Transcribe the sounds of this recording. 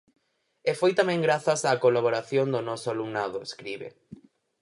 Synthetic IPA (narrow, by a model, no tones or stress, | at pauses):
efojt̪amɛ̃ŋɡɾaθasaːkolaβ̞oɾaθjond̪onɔsʊaluŋnaðʊeskɾiβḛ